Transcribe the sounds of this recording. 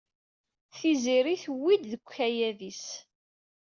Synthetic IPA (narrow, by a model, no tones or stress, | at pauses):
θiziɾiθwːid̪ðəkʷːæjæðis